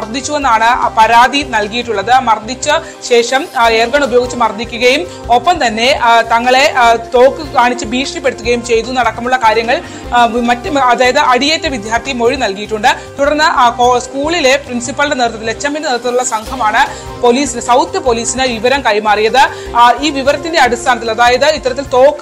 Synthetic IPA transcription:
mɐrd̪ʱit͡ɕːue̞nːaːɳɨpɐɾaːd̪inɐlkijiʈːuɭːɐðɨmɐrd̪ʱit͡ɕːɨ | ɕe̞ːʂɐme̞ːrɡɐɳubɐjoɡit͡ɕːɨmɐrd̪ːikʲːuɣɐjum | o̞pːɐmt̪ɐnːe̞t̪ɐŋːɐɭe̞t̪o̞ːkːɨkaːɳit͡ɕːɨbʱiːʂɳipːe̞ɽut̪ːuɣɐjumt͡ɕe̞jt̪unɐɽɐkːɐmuɭːɐkaːɾjɐŋːɐɭ | mɐtːɐðaːjɐðɨʔɐɽijeːtːɐʋid̪ʱjaːrt̪ʰijmo̞ɻinɐlkijiʈːuɳɖɨ | t̪uɽɐrnːɨskuːɭile̞prinsipːɐlɽe̞neːrt̪ːɐt̪ːilet͡ɕːɐminːɨneːɾt̪ːɐðuɭːɐsɐŋɡʰʱɐmaːɳɨ | po̞liːsinɨsɐwt̪jɐpo̞liːsinɨʋiʋɐɾɐmkɐjmaːrijɐðɨ | iːʋiʋɐɾɐt̪ːinde̞ɐɽist̪ʰaːnɐt̪ːilɐðaːjɐðɨit̪ːɐɾɐt̪ːilt̪o̞ːkːɨ

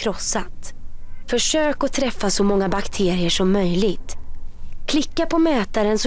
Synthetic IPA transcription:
ɾɔsːat̪fœʂøːkɔt̪ʰɾɛfːasɔmɔŋːabakt̪ʰeːɾɪəʂɔmːœjlɪɡt̪ | kʰlɪkːapʰɔmɛːt̪aɾənsɔ

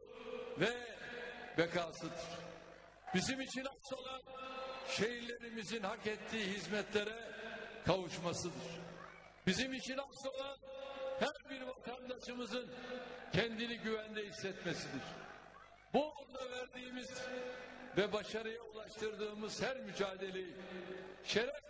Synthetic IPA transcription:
vɛ | bɛkʰaːsɯd̪ɯɾ̥ | b̥izimit͡ʃʰinaso̞lˠanʃe̞jiɾlʲe̞ɾimizinhakɛt̪ʰːiːɦizmɛt̪lʲeɾɛkʰavuʃmasɯd̪ɯɾ̥ | bizimit͡ʃʰinaso̞lˠanhæɾbiɾvat̪ʰand̪aʃɯmɯzɯncʰɛnd̪iniɟyvænd̪ɛɦisːɛt̪mesid̪iɾ̥ | buoɾd̪avæɾd̪iːmiz | vɛbaʃaɾɯjaulˠaʃt̪ʰɯɾd̪ɯːmɯz̥hæɾmyd͡ʒaːd̪e̞lʲeji | ʃeɾɛf

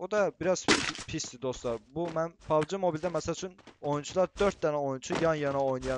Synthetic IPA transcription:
od̪ɑbiɾɑz̥pʰisd̪id̪ost̪lˠɑɾbumænpʰɑvd͡ʒɯmo̞bilʲd̪æmæsælt͡ʃʰyno̞junt͡ʃʰulˠɑɾd̪øɾt̪̚d̪ɛnæo̞junt͡ʃʰujɑnjɑnɑojunjɑ

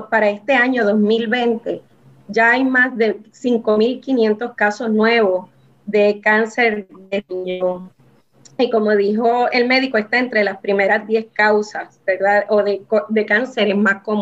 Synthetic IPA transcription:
paɾae̞st̪e̞aɲo̞ðo̞zmilβe̞nt̪e̞ | d͡ʒaajmazðesiŋko̞milkinje̞nt̪o̞skaso̞snwe̞βo̞s | ðe̞kanse̞ɾdepiɲo | iko̞mo̞ðiɦo̞e̞lme̞ðiko̞est̪aent̪ɾe̞laspɾimeɾazd̪je̞skawsasbeɾðaoðekod̪e̞kanse̞ɾesmaskom

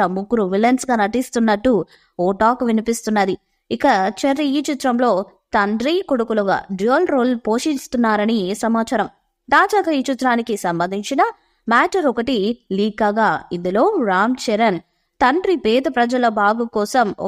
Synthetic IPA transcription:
ɐmuɡɾuʋilɐnsɡaːnɐʈist̪unːɐʈːu | ɔːʈaːkʋinipist̪unːɐd̪i | ikɐt͡ʃɐɾiiːt͡ʃut̪ɾɐmlo̞ː | t̪ɐɳɖɾikoɽukuluɡa̰ːɖioːlɾoːlpoːʂinst̪unːaːɾɐnisɐmaːt͡ʃɐɾɐm | d̪aːd͡ʒaːkɐiːt͡ʃit̪ːɾaːnikisɐmbɐnd̪iɲt͡ʃinɐ | maːʈɐɾɔkɐʈiliːkaːɡaːind̪ulo̞ːɾaːmt͡ʃɛɾɐn | t̪ɐɳɖɾipɛːd̪ɐpɾɐd͡ʒɐlɐbʱaːɡukɔːsɐm̰

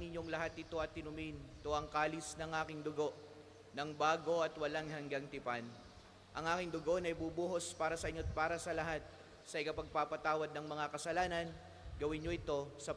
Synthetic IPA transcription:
nɪɲːo̞ŋlɐɦat̪̚ːɪt̪o̞ʔɐt̪ːɪnʊmint̪o̞ʔɐŋkaːlisnɐŋʔaːkɪŋd̪ʊɡo̞ʔ | nɐŋbaːɡo̞ʔɐt̪wɐlaŋhɐŋɡaŋt̪ɪpan | ʔɐŋʔaːkɪŋd̪ʊɡo̞nɐjbubuːɦo̞spaːɾɐsɐʔɪɲːopaːɾɐsɐlɐɦat̪̚ | sɐʔɪkɐpɐɡ̚papɐt̪aːwɐd̪̚nɐŋmɐŋakɐsɐlaːnɐn | ɡɐwɪnɲo̞ʔɪt̪o̞sɐ

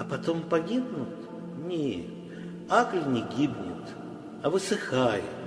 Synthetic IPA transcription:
ɐpɐt̪o̞mpɐɡʲibnʊt̪ | nʲe | aklʲnʲɪɡʲibnʲɪt̪ | ɐvɨsɨxajɪ̰t̪

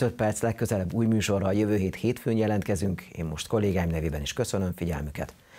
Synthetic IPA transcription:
øt̪̚pɛrt̪slɛkːø̞zɛlɛbːuːjmyːʃo̞rːɒːjøvøːɦeːt̪heːt̪føːnjɛlɛnt̪kɛzyŋkḛːmmo̞ʃt̪ko̞lːeːɡaːjimnɛveːbɛniʃkø̞sønøɱfiɟɛ̰lmykɛ̰t̪

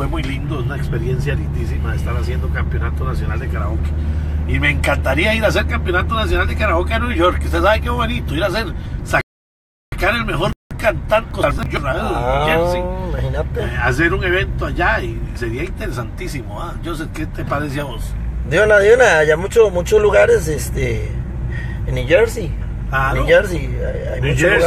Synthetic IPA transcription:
wemujlind̪ounaekspe̞ɾjensjalind̪isimaðest̪aɾasje̞nd̪okampjo̞nat̪onasjo̞nald̪ekaɾa̰ɣoke̥ | imeːŋkant̪aɾiaiɾas̬e̞ɾkampjo̞nat̪onas̬jonald̪ekaɾaɣokeanweʝoɾkust̪esaβekefoβwenit̪oiɾas̬eɾsa | akaɾe̞lmexo̞ɾkant̪ankoɾsejoraeleɾsiimahinat̪easeɾuŋe̞βent̪oaʝaise̞ɾiaint̪eɾesant̪isimoad͡ʒos̬eket̪epaɾes̬iamosd̪jonaðjonaajamut͡ʃomut͡ʃozluɣaɾesest̪e | nuʝeɾsi | anueɾsi | a̰ | a̰jmnut͡ʃ

